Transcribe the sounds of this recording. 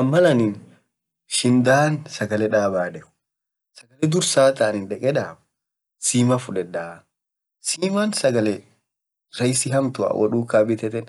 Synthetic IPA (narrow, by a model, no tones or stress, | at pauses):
ʔɐmːɐlɐnɪn | ʃɪnd̪aːnsɐɡɐlɛᶑaːbaːdɛkʊ̥ | sɐɡɐlɛd̪ʊɾsaːt̪ɐːnɪnᶑɛkʼɛᶑaːb | siːmɐfʊᶑɛᶑaː | siːmaːnsɐɡɐlɛ | ɾɐjsɪɦɐmt̪ʊa̰wʔɔ̰ᶑuːkaːbɪt̪ɛt̪ɛn